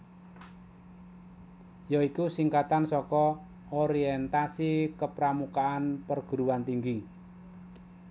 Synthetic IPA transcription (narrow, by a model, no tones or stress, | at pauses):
jaikusiŋkat̪ansɔkɔ | oɾiɛnt̪asikəpɾamukaanpərɡ̥ṳɾuwant̪iŋɡi